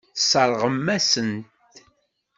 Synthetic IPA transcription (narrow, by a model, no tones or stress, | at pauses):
sˤəɾˤʁəmːæsənt̪